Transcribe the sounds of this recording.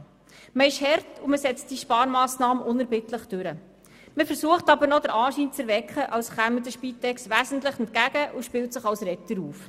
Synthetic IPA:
məɪʃhɛrtuməsɛt͡st̚d̥iʃpɑːɾmɑːsnɑːməʔʊnɛɾbɪtləχd̥ʉɾə | məfəɾsuəχtɑbəɾnɔdəɾʔɑːʃiːnt͡sɛɾʋɛkχəʔɑwsχæmədəʃpitɛksʋæːzən̩tləχɛnt̚kæɡ̥əʔuʃpɪltsəχɑwsɾɛtəɾuːf

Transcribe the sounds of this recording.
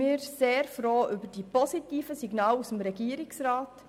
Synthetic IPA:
iːɾseːɾfɾoːʔʏbədipɔsitiːfəsiɡnɑːlusəmɾɛɡiːəɾiksɾɑːt

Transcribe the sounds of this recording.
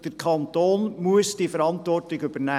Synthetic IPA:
d̥əɾkʰχɑnt̪oːnmuəsd̥ifəɾɑntʋɔrtɪɡʏbənæː

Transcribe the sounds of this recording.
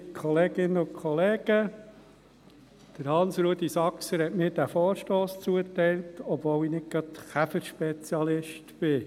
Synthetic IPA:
kʰɔleːɡ̥ɪnəʊkʰɔleːɡ̥ə | d̥əɾhɑnsɾud̪isɑksəɾhɛtmɪːɾdæfɔːɾʃtoːst͡suətɛɪltɔbvoːwinɪk̚ɡɾɑt̪χæfəɾʃpɛt͡sjɑlɪʃtb̥ɪ

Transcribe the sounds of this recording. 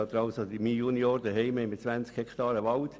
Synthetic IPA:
ɑt̪ːəɾɑlsodimiːjunjoːɾd̪əɦɛɪmemɪt̚t͡sʋænt͡skhɛkt̪ɑːɾəʋɑlt

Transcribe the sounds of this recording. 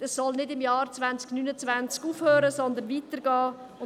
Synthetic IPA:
ɛsːɔlnɪdɪmjɑːrt͡svænt͡sknyːnət͡svænt͡skuːfhøːɾəsɔnd̪ənviːtəɾɡ̥ɑː | ʊ

